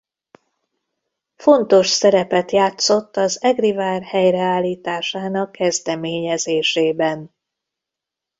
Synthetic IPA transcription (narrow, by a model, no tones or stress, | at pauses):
fo̞nt̪o̞ʃsɛɾɛpɛt̪jaːt̪so̞t̪ːɒzɛɡrivaːrhɛjrɛaːlːiːt̪aːʃaːnɒkʰːɛzd̪ɛmeːɲɛzeːʃeːbɛn